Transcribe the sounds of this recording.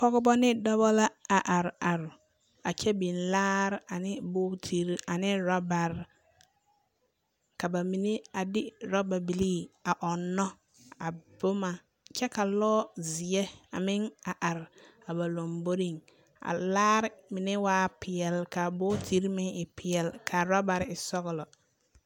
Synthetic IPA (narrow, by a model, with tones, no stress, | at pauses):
pɔ˦ɡɔ˦bɔ˦nɪ˦dɔ˦bɔ˦la˦a˨ʔa˨ɾa˨ɾ | a˨t͡ʃɛ˦bi˨nlaː˦ɾa˨nɪ˦boː˦tʰi˦ɾa˨nɪ˦ɾɔ˦ba˨ɾ | ka˨ba˨mi˨ne˦a˨dɪ˦ɾɔ˦ba˨bi˨liː˦a˨ʔɔ˨nːɔ˦ | a˨b̥ʊ˦ma˨ | t͡ʃɛ˦ka˨lɔː˦zi˨ɛ˦a˨mɪ˦ŋa˨ʔa˨ɾa˨ba˨lo˨mbo˦ɾi˦˨ŋ | a̰˨laː˦ɾɪ˦mɪ˨ne˦waː˦pɪ˨ɛ˨lka˨bo˦tʰi˦ɾmɪ˦ɪ˨pʰɪ˨ɛ˨lkʰa˨ɾa˦ba˨ɾɪ˨sɔ˦ɣɔ˨lɔ˨